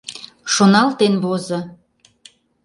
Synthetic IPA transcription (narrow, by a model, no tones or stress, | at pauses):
ʃonɑlt̪enβozɤ̆